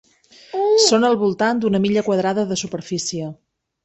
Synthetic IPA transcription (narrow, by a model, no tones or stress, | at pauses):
sonəlˠβulˠt̪and̪unəmiʎəkwəðɾaðəðəsupəɾfisiə